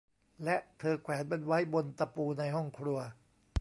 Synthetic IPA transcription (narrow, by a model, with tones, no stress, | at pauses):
lɛ˦˥ʔt̪ʰɤː˧kʰwɛː˩˦npe˧nwa˦˥jbo˧nt̪a˧puː˧na˧jɦɔ˥˩ŋkʰɾu˧ɐ